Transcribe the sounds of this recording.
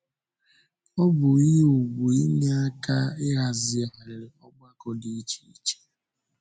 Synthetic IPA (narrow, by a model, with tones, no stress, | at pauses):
ɔ˦bʊ˨i˦u˨ɡ͡bu˨i˦ne˦a˦ka˦ɪ˦ɣa˨zɪ˦a˨ɦa˨ɾɪ˨ɾɪ˨ɔ˦ɡ͡ba˦kɔ˦di˦t͡ʃi˦i˦t͡ʃe̥˨